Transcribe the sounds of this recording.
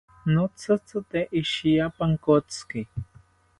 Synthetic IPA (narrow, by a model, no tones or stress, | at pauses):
not͡sɨt͡sɨt̪eʔiʃijapaŋkot͡skɪ